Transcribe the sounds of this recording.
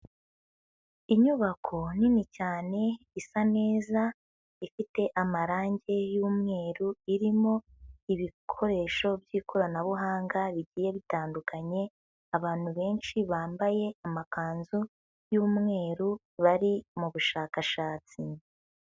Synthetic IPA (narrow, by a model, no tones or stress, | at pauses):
iɲuβakʰo̞ninicaːne̞ | isane̞ːza | ifite̞ʔamaɾaːɲɟe̞juːmŋe̞ːɾuiɾimo̞ | iβikʰo̞ɾe̞ːʃo̞bjiːkʰoɾanaβuɦaːŋɡaβiɟiːje̞βitaːndukaɲe̞ | aβaːn̥huβe̞ːnʃiβaːmbaje̞amakaːnzu | juːmŋe̞ːɾu | βaɾimuβuʃaːkaʃaːt͡si